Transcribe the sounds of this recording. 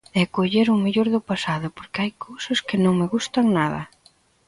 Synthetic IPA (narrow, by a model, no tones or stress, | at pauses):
ɛkoʎeɾʊmeʎoɾðʊpasaðʊpoɾkɪajkʰowsɐskɪnõŋmɪɣust̪ɐŋnaðɐ̰